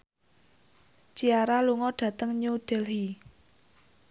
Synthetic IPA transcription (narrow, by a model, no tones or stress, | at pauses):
t͡ʃiaɾaluŋɔɖ̥ä̤t̪əŋɲuɖ̥ɛlɦi